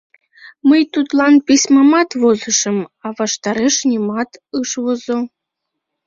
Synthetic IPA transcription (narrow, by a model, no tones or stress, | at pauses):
məjt̪ut̪lˠɑnpʲisʲmɑmɑt̪βozɤ̆ʃɤ̆mɑβɑʃt̪ɑɾeʃnʲimɑt̪ɯʃβozo